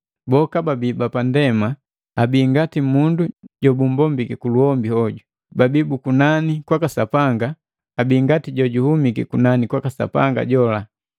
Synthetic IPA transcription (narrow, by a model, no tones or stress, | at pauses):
bɔkababibapandɛma | abiːŋɡatimunduɟɔbum̩bɔmbikɛkuluhɔmbihɔɟu | babibukunanikwakasapaŋɡaː | biːŋɡatiɟɔɟuhumikɛ̰kunanikwakasa̰pa̰ŋɡa̰ɟɔla